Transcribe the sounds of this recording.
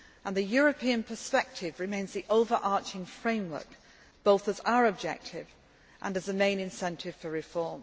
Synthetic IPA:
ʔə̃nðɨjɔɹəpʰiɨ̃npʰəspɛk̚tʰɪvɹɪmẽɪ̃nzðiʔoʊvə˞ʔɑɹt͡ʃɪ̃ŋfɹẽɪ̃mwɜ̰˞k | b̥oʊθəza̰ʊəɹəb̚d͡ʒɛ̰k̚tʰɪv | ʔə̰̃nɨzəmẽɪ̃nɨ̃nsɛ̃ntʰɪv̥fəɹɪfɔɹm

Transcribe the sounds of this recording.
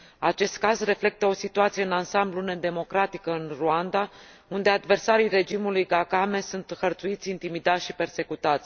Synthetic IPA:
at͡ʃe̞st̪̚kazre̞fle̞k̚t̪əo̞sit̪uat̪sijeɨnansambluned̪e̞mo̞kɾat̪ikəɨnruand̪a | und̪e̞ad̪ve̞rsaɾijre̞d͡ʒimulujɡakame̞sunt̪hərt̪suit̪sʲint̪imid̪at̪sʃipe̞rse̞kut̪at̪sʲ

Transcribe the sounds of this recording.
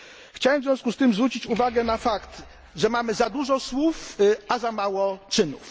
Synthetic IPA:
xt͡ɕawɛmvzʲvʲjɔ̃w̃skust̪ɘmzvɾut͡ɕit͡ɕuvaɡɛnafakt̪ | ʐɛmamɘzad̪uʐɔswufazamawɔt͡ʂɘnṵf

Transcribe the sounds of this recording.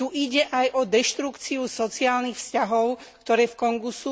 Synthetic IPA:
uʔiɟɛʔajʔɔd̪ɛʃt̪ɾukt͡siusɔt͡siaːlnixfscaɦɔʊkt̪ɔɾɛːfkɔŋɡusu

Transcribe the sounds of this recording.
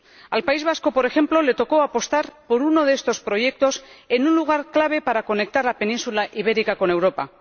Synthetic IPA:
alpaizβ̞asko̞po̞ɾe̞xe̞mplo̞le̞t̪o̞ko̞apo̞st̪aɾpo̞ɾuno̞ð̞eest̪o̞spɾo̞ʝe̞k̚t̪o̞se̞nunluɣ̞aɾklaβ̞e̞paɾako̞ne̞k̚t̪aɾlape̞nĩnsulaʔiβe̞ɾikako̞ne̞wɾo̞pa

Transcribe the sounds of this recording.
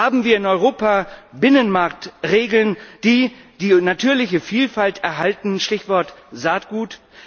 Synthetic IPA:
haːbm̩viːɐɪnɔʏʁoːpabɪnənmaɐk̚tʁeːɡl̩nd̥iːd̥iːnatʰyːɐlɪçəfiːlfaltɛɐɦaltn̩ʃtɪçv̥ɔɐtzaːtɡ̥uːt

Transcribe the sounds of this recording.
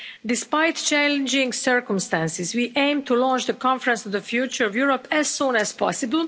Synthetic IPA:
dɪspaɪtt͡ʃælɪ̃nd͡ʒɪ̃ŋsɜɹkə̃mstæ̃nsɪzwiʔẽɪ̃mtʰulɔ̃nt͡ʃðəkʰɑ̃ɱfɹə̃nsɔvðəfjuːt͡ʃə˞ɔvjuɹɔpæz̥sũːnæz̥pʰɑsɪbəl̩ˠ

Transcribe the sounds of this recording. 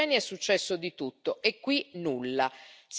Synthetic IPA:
ɛniɛsːut͡ʃːɛsːod̪it̪ut̪ːoekːwinulːas

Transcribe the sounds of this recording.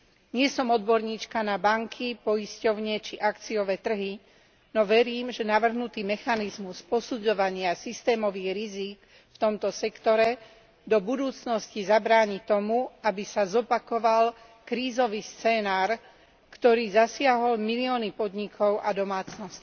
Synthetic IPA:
ɲɪɛsɔmɔd̪̚bɔɾɲiːt͡ʃkanabaŋkʰipɔjiscɔʊɲɛt͡ʃiʔakt͡siɔʋɛːt̪r̩ɦi | nɔʋɛɾiːmʒɛnaʋr̩ɦnut̪iːmɛxanizmuspɔsud͡zɔʋaɲɪasist̪ɛːmɔʋiɣɾizik | ft̪ɔmt̪ɔsɛkt̪ɔɾɛ | d̪ɔbud̪uːt͡snɔscizabɾaːɲit̪ɔmuabisazɔpakɔʋal | kɾiːzɔʋiːst͡sɛːnaːɾ | kt̪ɔɾiːzasɪaɦɔlmiliɔnipɔd̪ɲikʰɔʊʔad̪ɔmaːt͡snɔsc

